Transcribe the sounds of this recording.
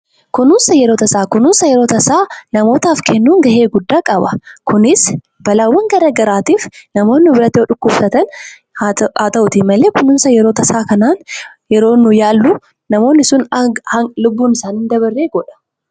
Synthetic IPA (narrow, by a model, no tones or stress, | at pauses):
kʊnʊnsɐjɛɾo̞ːt̪ɐsaːkʊnʊnsɐjɛɾo̞ːt̪ɐsaːnɐmo̞ːt̪aːfkʰɛnːuːŋɡɐhe̞ːɡʊd̪ːaːkʼɐbɐ̰kʊnɪs | bɐlaːwːɐŋɡɐɾɐɡɐɾaːt̪iːfnɐmo̞ːnːɪbɪɾɐt̪ːɪɔᶑʊkːʊːbsɐt̪ɐn | aːt̪ɐʔʊt̪ɪmɐleːkʊnʊnsɐjɛɾoːt̪ɐsaːkɐnaːn | jɛɾo̞ːnːʊjaːlːʊ | nɐmo̞ːnːɪsʊnhɐlʊbːuːnɪsaːnhɪnd̪ɐβɐrːeːɡɔᶑɐ̥